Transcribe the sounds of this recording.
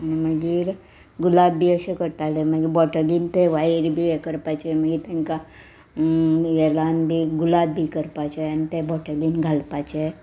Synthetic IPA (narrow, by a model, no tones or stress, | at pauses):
nməɡiɾ | ɡʊlaːb̚bʱiəsekəɾt̪aleməɡiɾbɔʈəlint̪eʋaiɾbʱiekəɾpat͡ʃeməɡiɾt̪ənka | elaːnbʱiɡʊlaːb̚bʱikəɾpat͡ʃant̪ebɔʈəlinɡʱalpat͡ʃae